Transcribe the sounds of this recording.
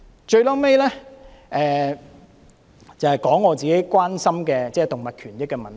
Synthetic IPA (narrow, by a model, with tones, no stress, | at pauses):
t͡ʃɵ˧ɥlɔː˥me˥jlɛː˥ʔɛː˨˩ | t͡sɐ˨˩hɐ˨˩jkɔː˨˥ŋːɔː˨˧t͡siː˨˩ke˨˥jkʷwaː˥nsɐ˥mkɛː˧t͡sɛː˥t̪ʊ˨ŋmɐ˨t̚kʰyː˨˩njɪ˥kːɛː˧mɐ˨˩n˨